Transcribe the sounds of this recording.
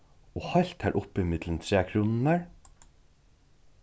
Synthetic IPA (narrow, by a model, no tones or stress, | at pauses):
oːhɔjl̥t̪hæːʔʊpɪmɪt̪lənt̪ʰɹeːkʰɾuːnnæɹ